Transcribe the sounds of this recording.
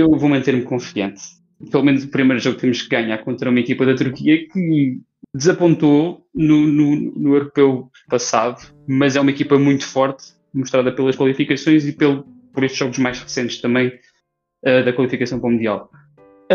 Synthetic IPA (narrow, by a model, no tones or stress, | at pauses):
ewvomɐ̃nt̪eɾmkõfiɐ̃nt̪ | pelˠumenuzupɾimɐjɾuʒoɣut̪emuʃkɨɣaɲaɾkõnt̪ɾɐumɐikipɐðɐt̪uɾkiɐkɨ | d̪ɨzɐpõnt̪onununṵnuewɾupew | pɐsaðu | mɐzɛumɐikipɐmũj̃t̪u̥fɔɾt̪ | muʃt̪ɾaðɐpelˠɐʃkwɐlˠifikɐsõj̃zipelˠpɔɾeʃt̪ʒ̥ɔɣuʒmajʒʁɨsẽnt̪ʃt̪ɐ̃mɐ̃j̃ | ɛðɐkwɐlˠifikɐsɐ̃w̃pɾɔmud̪ia̰lˠ